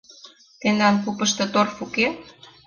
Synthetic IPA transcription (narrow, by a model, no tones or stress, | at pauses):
t̪end̪ɑnkupə̆ʃt̪ɤ̆t̪orfuke